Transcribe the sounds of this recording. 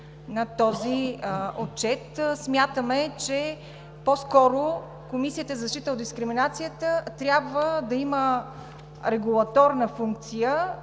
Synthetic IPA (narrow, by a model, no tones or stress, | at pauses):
nɐt̪ɔziot͡ʃɛt̪smʲjat̪əmɛt͡ʃɛ | poskɔɾo | komisiət̪əzɐʃtit̪əod̪d̪iskɾiminat̪sijət̪ət̪ɾʲjabvəd̪ɐimə | ɾɛɡulˠɐt̪ɔɾnəfuŋk̚t̪sijə